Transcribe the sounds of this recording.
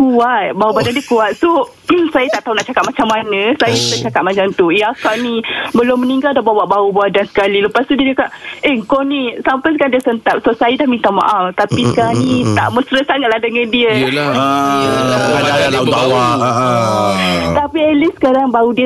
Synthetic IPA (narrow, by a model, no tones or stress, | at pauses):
kuat̪̚baubadandiəkuat̪̚so | sajət̪aʔt̪aunaʔt͡ʃakat̪̚mat͡ʃamːanə̃sajəsut̪aʔt͡ʃakat̪̚mat͡ʃaŋt̪ujakaʔnibəlʊmːə̃niŋɡaldahbawaʔbaubadansə̥kaliləpast̪udiəd͡ʒakaʔʔeŋkonisampajsəkandiəsənt̪ap̚sosajədahmint̪aʔma̰ʔaft̪apisə̥kaɾanit̪a̰ʔməsɾətsaŋat̪̚lahdəŋãndiə | aaalabawa | t̪apielisə̥kaɾaŋbaudiə